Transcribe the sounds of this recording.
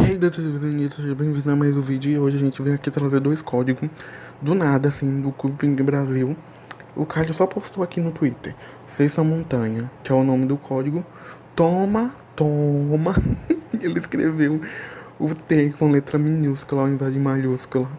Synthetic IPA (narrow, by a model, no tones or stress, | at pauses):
hejd̪ɐt̪viðẽnit̪ɐeɐbẽj̃vĩd̪ɐmajzʊvid͡ʒʊɪoʒɪɐʒẽnt͡ʃɪvẽj̃akiat̪ɾazeɾd̪ojskɔd͡ʒiɡʊ | d̪ʊnad̪ɐsĩd̪ʊkubipĩŋɡɪbɾaziw | ʊkaʎʊsɔpost̪owakinʊt̪uit̪eɾ | sest̪ɐmõnt̪ɐ̃ɲɐkɪɛʊnõmɪd̪ʊkʰɔd͡ʒiɡʊ | t̪õmɐ | t̪omɐelɪiskɾḛvewʊt̪ekõlet̪ɾɐmĩnuskulɐaĩvazd͡ʒɪ̃maʎuskulɐ